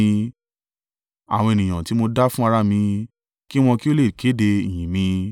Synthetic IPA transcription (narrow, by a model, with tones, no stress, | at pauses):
a̰˨wɔ̃˧e˧nĩ˨j̃ã˨ti˨˦mo˧da˦fũ˦a˧ɾa˦mĩ˧ | ki˦w̃ɔ̃˧ki˦o˦le˦˨kʰe˨˦de˧i˨j̃ĩ˨mĩ˧